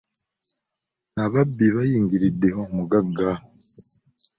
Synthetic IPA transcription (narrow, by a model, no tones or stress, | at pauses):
naβabiβajiːŋɡiɾideɦomuɡaɡa